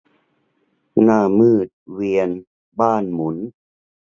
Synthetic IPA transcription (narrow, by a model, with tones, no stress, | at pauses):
naː˥˩mɯː˥˩t̪̚wi˧ən | baː˥˩nmu˩˦n